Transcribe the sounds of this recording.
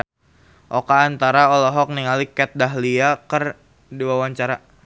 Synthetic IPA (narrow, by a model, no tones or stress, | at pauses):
ʔokaːnt̪aɾaolɔɦɔk̚niŋalikɛt̪̚daɦliakər | diwawaɲt͡ʃaɾa